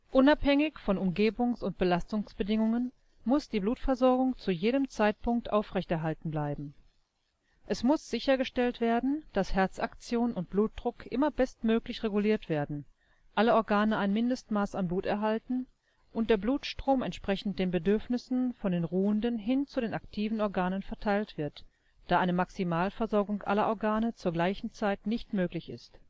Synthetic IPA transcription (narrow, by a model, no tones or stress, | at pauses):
ʔʊnaphɛŋɪçfɔnʊmɡeːbʊŋsʊnt̚b̥əlastʊŋsb̥ədɪŋʊŋən | mʊsd̥iːbluːtfɛɐzɔɐɡʊŋt͡sujeːdəmt͡saɪt̚pʊŋk̚tʔaʊfʁ̥ɛçtɛɐɦaltn̩blaɪbm̩ | ʔɛsmʊsz̥ɪçɐɡəʃtɛltv̥eːɐdn̩d̥ashɛɐt͡sʔakt͡sjoːnnʊnt̚b̥luːt̚d̥ʁʊkʰʔɪmɐbɛstmøːklɪçʁeɡuliːɐtv̥eːɐdn̩ | ʔʔaləɔɐɡaːnəaɪnmɪndəstmaːsanbluːtɛɐɦaltn̩ | ʔʊnt̚d̥eːɐbluːtʃtʁ̥oːmɛntʃpʁ̥ɛçn̩td̥eːnbədʏɐfnɪsn̩fɔndeːnʁuːəndənɦɪnt͡sudeːnaktʰiːvn̩ɔɐɡaːnənfɛɐtʰaɪltv̥ɪɐt | d̥aːʔaɪnəmaksimaːlfɛɐzɔɐɡʊŋkʔa̰lɐʔɔɐɡaːnət͡suːɐɡlaɪçn̩t͡saɪtnɪçtmøːklɪçɪ̰st